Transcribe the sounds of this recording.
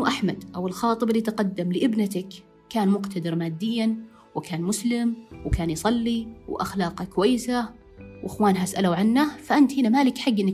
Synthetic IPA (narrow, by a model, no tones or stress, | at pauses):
ʔaħmad̪ʔawɪlxɑːt̪ˤɨbɪlːiːt̪qad̪ːamlɪʔɪbnat̪akː | aːnmʊqt̪ʰad̪ɪɾmaːd̪ːɪjːan | wɪkʰaːnmʊslɪmwkaːnjsˤɑlːiwʔa̰xlɑːqakʊwajːɪsa | wʔɪxwaːnɦasʔalawʕanːafaʔant̪hinamaːlɪkħaɡːʔɪnːa